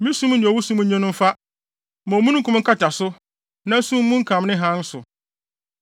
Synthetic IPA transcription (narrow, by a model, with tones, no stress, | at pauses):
mĩ˦sũ˦m˦nɪ̃˨ɔ˨wu˦sũ˦m̩˦ɲɛ̃˦nʊ̃˦m̩˦fa˦ | mɔ̃˨mũ˦ñ̩˦kʰʊ̃˦m˦ŋ̩˦kʰa˦t͡ɕʰa˨sʊ˦ | nã˦sũ˦m˦mũ˦ŋ̩˦kʰã˨m˦nɪ̃˦ɦã˦n˦sʊ˨